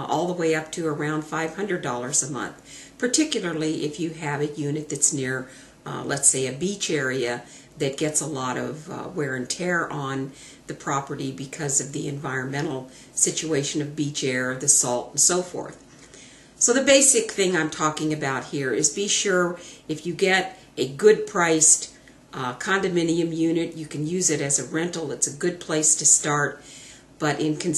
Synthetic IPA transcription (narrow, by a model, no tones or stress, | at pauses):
ʔɔlˠðəweɪʌp̚tʰɨə˞ãʊ̃nd̥faɪv̥hʌ̃ndɹɨdɔlˠə˞zəmʌ̰̃nθpʰə˞tʰɪkjl̩ˠə˞lˠiʔɪfjɨɨvɨjʉnɨt̪̚ðɨtsnɪɹ | lɛ̰tseɪɨbit͡ʃɛɹiɨ | ðɨt̚ɡ̥ɛtsəlɔɾʌ̰vwɛɹɨ̃ntʰɛɹʔə̃n | ðɨpʰɹ̥ɑpə˞ɾibɨkʰʌzʌvðiɨ̰̃ɱvaɪɹɨ̃nmɛ̃ɾ̃l̩ˠ | sɪt͡ʃueɪʃɨ̃nʌvbit͡ʃɛɹðɨsɔlˠtn̩soʊfɔ̰ɹθ | soʊðɨbeɪsɨk̚θɪ̃ŋãɪ̃mtʰɔkɪ̃ŋɨbaʊt̚hiɹɪzbiʃʊɹɨfjɨɡɛɾ | ɨɡʊd̚pʰɹ̥aɪs | kʰɑ̃ndɨmɪ̃niɨ̃mjʉnɨtjɨkʰɨ̃njʉzɨɾɨzɨɹɛ̃ntˡl̩ˠɨtsɨɡʊd̚pʰl̥eɪstʰɨstɑɹt̚ | b̥ʌɾʔɪ̃nkʰɨ̃n̩